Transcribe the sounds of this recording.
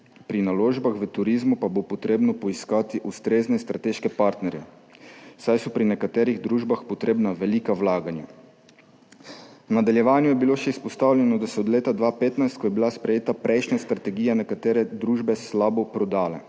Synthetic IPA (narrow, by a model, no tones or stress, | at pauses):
pɾinaloːʒbaxʋət̪uɾizmupabopɔt̪ɾeːbnɔpɔiskaːt̪iʔust̪ɾeːznɛst̪ɾat̪eːʃkɛpaɾt̪nɛɾjɛ | sajsɔpɾinɛkat̪ɛːɾiɣd̪ɾuːʒbaxpɔt̪ɾeːbnaʋɛliːkawlaːɡanja | wnad̪aljɛʋaːnjujɛbiloːʃɛispɔst̪aːwljɛnɔd̪asɔːd̪leːt̪ad̪ʋapeːt̪najst̪kɔjɛbilaspɾɛjeːt̪apɾʔɛjʃnast̪ɾat̪ɛɡiːjanɛkat̪eːɾɛd̪ɾuːʒbɛslaːbɔpɾɔd̪aːlɛ̰